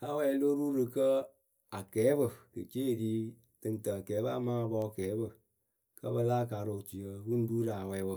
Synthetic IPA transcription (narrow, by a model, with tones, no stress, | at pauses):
a˦wɛ˧˦lo˦ɾu˦ɾɨ˧kə˦ | a˨kɛː˨˦bɨ˦kɨ̰˨t͡ʃe˦˨diː˦ | tɨ˧n˨tə˨kɛː˨˦ba˦˨ma˦˨bɔ˦˨kɛː˨˦bə˦ | kə̰˦bə˧laː˦˨ka˨˦ɾo˨ti˨jə˨˦wu˦n˦du˦ɾa˨wɛ˨˦bə˨